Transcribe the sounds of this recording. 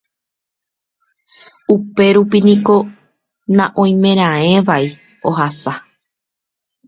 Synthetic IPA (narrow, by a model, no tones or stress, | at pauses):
upe̞ɾupinĩko̞ | nãʔõj̃mẽ̞ɾ̃ãẽ̞ʋai | oɦasa